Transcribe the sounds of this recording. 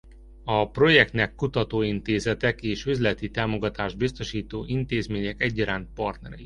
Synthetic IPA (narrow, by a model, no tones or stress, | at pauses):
ɒpro̞jɛk̚t̪nɛkːut̪ɒt̪oːint̪eːzɛt̪ɛkeːʃøzlɛt̪it̪aːmo̞ɡɒt̪aːʒbist̪o̞ʃiːt̪oːʔint̪eːzmeːɲɛkɛɟːɒɾaːnt̪̚pɒrt̪nɛɾɛji